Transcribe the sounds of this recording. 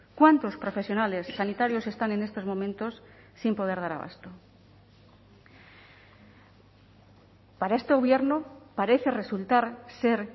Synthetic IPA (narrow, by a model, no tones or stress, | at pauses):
kwant̪o̞spɾo̞fe̞sjonale̞sːanit̪aɾjo̞se̞st̪ane̞ne̞st̪o̞zmo̞mẽnt̪o̞sː | impo̞ð̞e̞ɾð̞aɾa̰β̞a̰st̪o̞ | paɾae̞st̪eɣo̞βje̞ɾnopaɾe̞θe̞re̞sult̪aɾse̞ɾ